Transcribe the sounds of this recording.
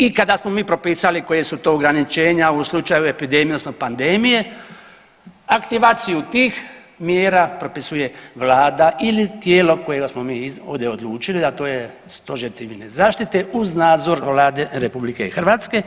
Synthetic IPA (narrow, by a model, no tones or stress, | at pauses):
ikad̪asmo̞miːpɾo̞piːsaliko̞jesut̪o̞ːɡɾanit͡ʃe̞ːɲauslˠut͡ʃajue̞pid̪emiosnopand̪eːmije̞ | akt̪iʋaːt̪sijut̪iːx | mjeːɾapɾo̞pisuje̞ʋlaːd̪aʔilit̪jeːlo̞ko̞je̞ɡasmo̞miːo̰ːvd̪jeod̪lˠuːt͡ʃilid̪at̪o̞ːje | st̪o̞ʒiɾt̪siʋilne̞zaːʃt̪it̪e̞uznaːd̪zo̞ɾʋlaːd̪e̞ɾepublike̞ḭxr̩ʋat̪ske̞